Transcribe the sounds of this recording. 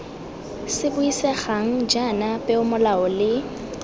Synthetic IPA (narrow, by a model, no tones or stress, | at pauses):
sɪbʊisɛχaŋ̩d͡ʒanapʼɛʊmʊlaɔlɪ